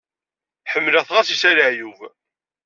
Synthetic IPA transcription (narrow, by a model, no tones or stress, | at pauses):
ħəmːlæθʁasisæləʕjuv